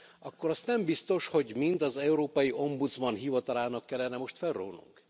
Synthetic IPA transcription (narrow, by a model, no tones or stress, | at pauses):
ɒkːo̞ɾɒst̪nɛmbist̪o̞ʃho̞ɟmint̪ɒzɛuɾoːpɒjiʔo̞mbut̪zmɒnɦivɒt̪ɒlaːnɒkːɛlːɛnɛmo̞ʃt̪fɛlro̰ːnṵŋk